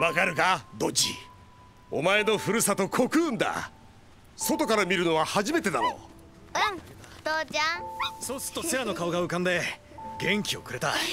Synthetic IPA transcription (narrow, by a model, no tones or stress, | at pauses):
βakaɾɯ̟ɡad̪o̞t͡ɕḭ | o̞mae̞no̞ɸɯ̟ɾɯ̟sat̪o̞kʰo̞kɯ̟̃ːnd̪a̰ | so̞t̪o̞kaɾamʲiɾɯ̟no̞βahaʑime̞t̪e̞d̪aɾo̰ | t̪od͡ʑãso̞ːsɨ̥ɾɯ̥t̪ːoseɾano̞kaoɡaɯ̟kãnd̪e̞ | ɡẽ̞ŋkʲio̞̰kɯ̟ɾe̞t̪a